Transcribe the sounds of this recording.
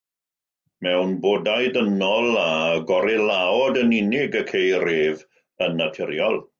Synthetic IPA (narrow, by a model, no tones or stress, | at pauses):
mɛwnboːdajdənɔlˠaɡɔɾɪlaɔdənɪnɪɡəkʰejɾɪːv | ənːatʰɪɾjɔlˠ